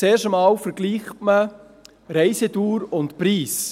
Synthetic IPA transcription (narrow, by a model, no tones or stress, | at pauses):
eːɾʃəmɑːlfəɾɡ̥liːχtmə | ɾɛɪsetuːɾʊntpɾiːs